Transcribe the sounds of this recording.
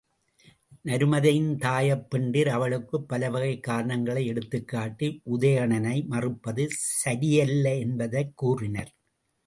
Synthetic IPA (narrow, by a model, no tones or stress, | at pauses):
nɐɾɯmɐðɐjɪnt̪aːjɐpːɛɳɖɪɾɐʋɐɭɯkːɯpːɐlɐʋɐɣɐɪkːaːɾɐɳɐŋɡɐɭɐɪɛɽɯt̪ːɯkːaːʈːiʔʊðɐjɐɳɐnɐɪmɐrɯpːɐðɯsɐɾɪjɐlːɐɛnbɐðɐɪkːuːrɪnɐɾ